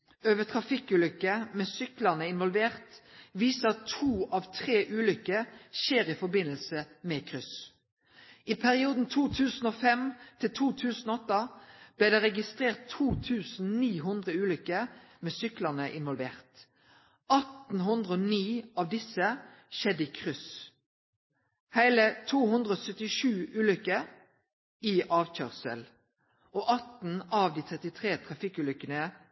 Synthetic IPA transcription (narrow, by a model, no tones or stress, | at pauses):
øːʋət̪ʰʁɑfɪkʉːlʏkəmɛːsʏkləʁnəɪnʋɔlʋeːʁt̪ʋiːsəɑt̪ʰuːɑʋt̪ʰʁeːʔʉːlʏkəʃeːʁɪfɔbɪnəlsəmɛkʰʁʏs | ɪpʰæʁɪuːd̪n̩t̪ʰuːt̪ʰʉːsn̩oːfɛmt̪ʰɪlt̪ʰuːt̪ʰʉːsn̩ɔt̪ːɑb̥lɪːd̪ɛːʁɛɡɪst̪ʁeːʁt̪ʰːuːt̪ʰʉːsn̩niːɦʉnd̪ʁəʉːlʏkə | meːsʏkləʁnəʔɪnʋɔlʋeːʁt̪ | ʔɑt̪n̩ɦʉnd̪ʁəoːniːɑʋd̪ɪsəʃɛd̪əiːkʰʁʏs | hæɪlət̪ʰuːhʉnd̪ʁəoːsœt̪ɪʃʉːʔʉːlʏkəɾ | ɪʔɑːʋc͡çœːʁsə̰l | ʔoːʔɑt̪n̩ɑʋd̪iːt̪ʰʁɛt̪ɪt̪ʰʁeːt̪ʰʁɑfɪkʉːlʏkənə